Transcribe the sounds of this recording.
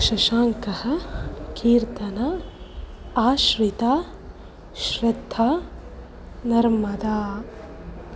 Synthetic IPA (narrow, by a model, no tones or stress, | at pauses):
ʃɐʃaːŋkɐhɐ̆kiːɾt̪ɐnɐ | aːʃɾit̪aː | ʃɾɐd̪ʱːaː | nɐɾmɐd̪aː